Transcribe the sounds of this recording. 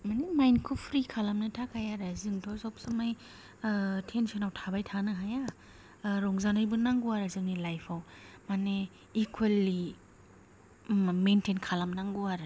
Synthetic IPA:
manemajnkʰupʰɾikʰalamnɯtʰakʰajaɾazɯŋdʰɔzawpsɯmaj | tʰensɔnawtʰabajtʰanɯɦaja | ɾɔŋzanajbɯnaŋɡuaɾɯzɯŋnilajpʰawmane | ikʰwelːi | mentʰenkʰalamnaŋɡuaɾɯ

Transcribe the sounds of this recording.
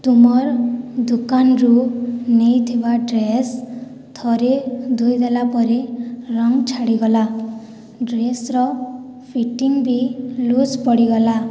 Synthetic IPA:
t̪umɔɾd̪ukanɾunejt̪ʰibaɖɾes | t̪ʰɔɾed̪ujd̪elapɔɾeɾɔŋt͡ʃʰaɽiɡɔla | ɖɾesɾɔ | pʰiʈiŋbilud͡ʒpɔɽiɡɔla

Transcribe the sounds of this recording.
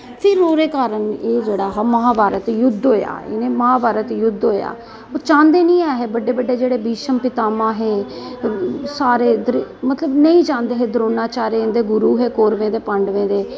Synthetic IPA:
pʰɪɾːoːɾeːkaːɾəneːd͡ʒeːɽaːɦːməɦaːbaːɾət̪jʊd̪ɦoːja̰ːḛnẽːməɦaːbaːɾət̪jʊd̪ɦoːja̰ː | oːt͡ʃãːnd̪eːnĩːaːɦeːbəɖːeːbəɖeːd͡ʒeːɽeːbiːʃəmpɪt̪aːmãːɦeː | saːɾeːd̪ɾmət̪ləbnəĩːt͡ʃãːnd̪eːɦeːd̪ɾoːnaːt͡ʃaːɾend̪eːɡʊɾuːɦeːkoːɾʋẽːd̪eːpəɳɖʋẽːd̪eː

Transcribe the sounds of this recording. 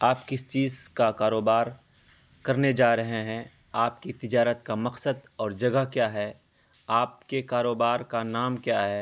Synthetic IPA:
aːpkɪst͡ʃiːzkakaːɾoːbaːɾ | kɐɾned͡ʒaːɾɐɦeɦɛ̃ | aːp̚kit̪ɪd͡ʒaːɾət̪kamɐqsəd̪ɔːɾd͡ʒɐɡakjaːɦɛː | aːp̚kekaːɾoːbaːɾkanaːmkjaːɦɛː

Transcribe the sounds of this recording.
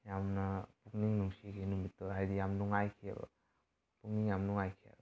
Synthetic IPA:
jamnapuk̚niŋnuŋsiɡinumitːɔɦajdijamnɔŋajkʰia̰bɐ̰ | puk̚niŋjamnɔŋajkʰia̰b

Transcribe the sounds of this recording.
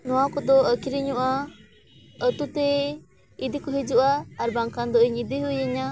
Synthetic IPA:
nɔwakɔd̪ɔəkiɾiɲɔʔa | ət̪ut̪ɛ | id̪ikɔɦid͡ʒuʔaːɾbaŋkand̪ɔʔiɲid̪iɦujɛɲa

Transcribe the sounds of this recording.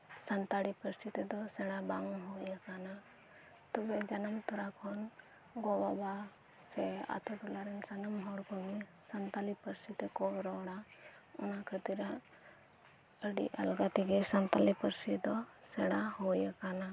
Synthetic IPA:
sɐnt̪aɽipəɾsit̪ed̪ɔsɛɽabaŋuɦojəkana | t̪ɔbed͡ʒɐnɐmt̪uɾakʰɔn | ɡobaba | sea̰t̪ʰuʈulaɾensɐnɐmɦɔɽkɔɡesɐnt̪alipəɾsit̪ekɔʋɾɔːɽa | unakʰət̪iɾa | əɽḭʔɐ̰lɡat̪iɡesɐnt̪alipəɾsid̪ɔsɛɽahojəkana

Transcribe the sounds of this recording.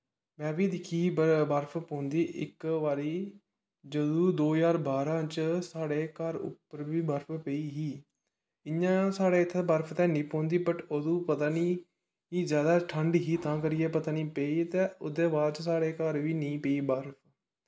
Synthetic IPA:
mɛ̃ːbiːd̪ɪkʰːiːbbəɾpʰpõːnd̪iːʔɪ̰kʋaːɾiː | d͡ʒəd̪ũːd̪oːjaːɾbaːɾãːt͡ʃsaːɽeːkəɾʊ̰pːəɾʋiːbəɾpʰpeiːɦiː | ɪɲãːsaːɽeːt̪ʰːebəɾpʰt̪ɛ̃ːnĩːpõːnd̪iːbəʈod̪ũːpət̪aːniː | ɦiːzjaːd̪aːʈʰəɳɖɦiːt̪ãːkəɾɪjeːpət̪aːniːpeiːt̪ɛ̃ːʊd̪eːbaːd̪t͡ʃsaːɽeːkəɾʋiːnĩːpeiːbəɾpʰ

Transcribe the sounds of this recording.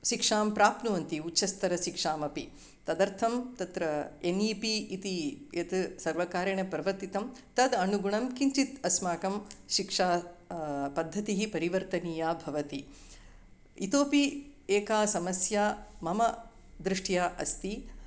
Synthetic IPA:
ʃikʂaːmpɾaːpnuʋɐnt̪iutːʃɐst̪ʰɐɾɐʃikʂaːmɐpi | t̪ɐd̪ɐɾt̪ʰɐmt̪ɐt̪ɾɐeniːpiit̪ijet̪sɐɾʋɐkaːɾɐɳɐpɾɐʋɐɾt̪it̪ɐmt̪ɐd̪ɐnuɡuɳɐmkiɲt͡ʃit̪ɐsmaːkɐmʃikʂaː | pɐd̪ʱːɐt̪iɦipɐɾiʋɐɾt̪ɐniːjaːbʱɐʋɐt̪i | it̪oːpieːkaːsɐmɐsjaːmɐmɐ | d̪ɾɪʂʈʰjaːʔɐ̰st̪i

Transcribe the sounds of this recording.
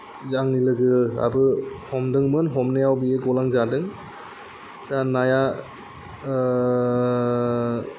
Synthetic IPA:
zaŋnilɯɡɯa̰bɯhɔmdɯŋmɯnɦɔmnejawbieɡɔlaŋzadɯŋ | tanaja

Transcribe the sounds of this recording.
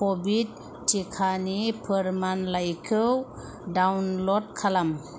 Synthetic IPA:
kobit̚ː | ikʰanipʰɯɾmanlajkʰɯw | dawnlɔd̚kʰalam

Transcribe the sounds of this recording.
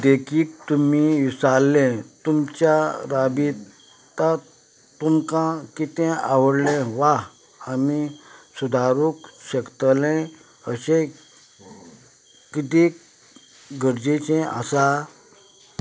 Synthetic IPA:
d̪ekʰiːk̚t̪umiisalːɛ̃t̪umt͡ɕjaɾabi | t̪a | t̪umkãkit̪ɛ̃ʔaʋəɽlɛ̃ʋa | amisud̪ʱaɾukɕəkt̪lɛ̃ | əɕẽ | kit̪ĩ | ɡʱəɾd͡ʑet͡ɕɛ̃a̰sa

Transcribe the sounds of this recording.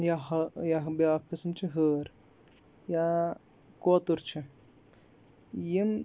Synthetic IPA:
jaɦjaɦbjaːkːɨsmt͡ʃʰiɦəːɾ | ja | koːt̪uɾt͡ʃʰi | jim

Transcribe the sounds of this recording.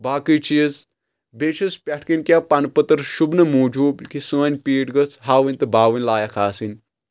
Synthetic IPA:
baːkɨt͡ʃiəz | beːt͡ʃʰuspʲɐʈʰkinʲkʲapɐnpət̪ɐɾʃubnɐmoːd͡ʒuːbkisoːnʲpiːʈɡɐt͡sʰɦaːʋɨnʲt̪ɨbaːʋɨnʲlaːjakʰaːsinʲ

